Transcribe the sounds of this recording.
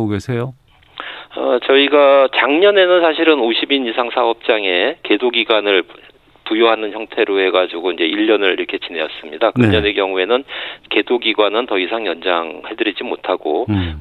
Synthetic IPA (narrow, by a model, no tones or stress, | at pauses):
oɡesʰejo | ʌt͡ɕʌiɡat͡ɕaŋɲʌne̞nɯnsʰaɕʰiɾɯnoɕʰibinisʰaŋsʰaʌp̚t͡ɕ͈aŋe̞ke̞doɡiɡwanɯɭ | pujoɦanɯnçjʌŋtʰe̞ɾohe̞ɡad͡ʑiɡoind͡ʑe̞iʎːʌnɯɭiɾʌkʰe̞t͡ɕine̞jʌs͈ɯmɲidakɯɯɲʌne̞kjʌŋue̞nɯnke̞doɡiɡwanɯntʌisʰaŋjʌnd͡ʑaŋhe̞dɯɾid͡ʑimotʰaɡo